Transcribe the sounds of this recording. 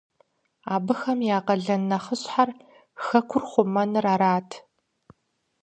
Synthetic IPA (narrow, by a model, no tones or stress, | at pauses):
aːbɨxɐmjaːqɐɮɐnːɐχəɕħar | xɐkʷʰʊrχʷʊmɐnɨraːɾaːtʰ